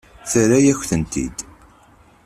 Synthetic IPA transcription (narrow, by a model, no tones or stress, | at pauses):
θəɾæjæçθənt̪ḭd̪̥